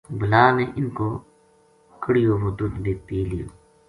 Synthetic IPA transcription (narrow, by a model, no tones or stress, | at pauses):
bəlaːneʔɪnko | kəɽijoːʋod̪ud̪d̪eːt̪ilijo̰ː